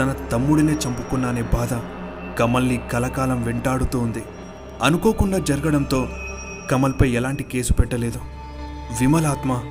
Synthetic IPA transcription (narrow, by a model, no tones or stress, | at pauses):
t̪ɐnɐt̪ɐmːuɽune̞ːt͡ʃɐmpukunːaːneːbaːd̪ɐ | kɐmɐlːikɐlɐkaːlɐmʋɛɳʈaːɽut̪uːnd̪i | ɐnuko̞ːkuɳɖaːd͡ʒɐɾɐɡɐɽɐnt̪o̞ː | kɐmɐlpɐjɛlaːɳʈike̞ːsu̥pɛʈːɐle̞ːd̪u | ʋimɐlaːt̪mɐ